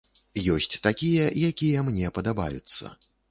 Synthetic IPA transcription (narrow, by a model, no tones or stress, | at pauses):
jɔsʲt͡sʲt̪akʲijɛjakʲijɛmnʲɛpɐd̪aba̰jut̪sːɐ̰